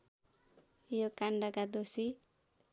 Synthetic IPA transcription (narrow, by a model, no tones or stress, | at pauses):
jokaɳɖʌkad̪osi